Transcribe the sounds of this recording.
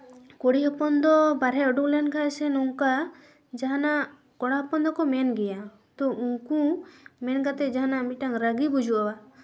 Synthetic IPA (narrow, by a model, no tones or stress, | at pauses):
koɽiɦɔpɔnd̪ɔbaɾɦɛɔɖuklɛnkʰaɛsɛnɔŋka | d͡ʒaɦanaʔ | kɔɽaɦɔpɔnd̪ɔkɔmɛnɡɛja | t̪ɔʔuŋkũmɛnkat̪ɛd͡ʒaɦanamiʈaŋɾəɡibud͡ʒuʔawa